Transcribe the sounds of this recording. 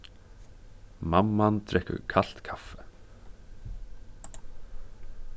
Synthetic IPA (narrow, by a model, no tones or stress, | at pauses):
mamːant̪ɾɛkɵ̰ɾkʰal̥t̪kʰafɛ̥